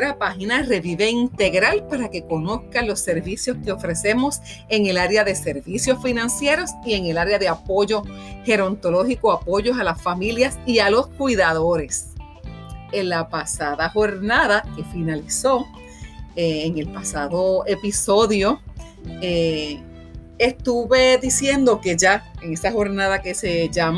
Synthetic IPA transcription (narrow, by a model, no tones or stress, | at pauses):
ɾapahinare̞βiβe̞int̪e̞ɣɾalpaɾake̞ko̞no̞skalo̞sːe̞ɾβisjo̞ske̞o̞fɾe̞se̞mo̞s | e̞ŋe̞laɾeaðe̞se̞ɾβisjo̞sfinãnsje̞ɾo̞sie̞ŋe̞laɾeaðe̞apo̞ʝo̞he̞ɾont̪o̞lo̞hikoapo̞ʝo̞salasfamiljasialo̞skwiðaðo̞ɾe̞s | enlapasaðaho̞ɾnaðake̞finaliso̞ | eːŋe̞lpasaðo̞e̞piso̞ðjo̞ | e | est̪uβe̞ðisje̞nd̪o̞ke̞ʝaeŋe̞saho̞ɾnaðake̞se̞ʝam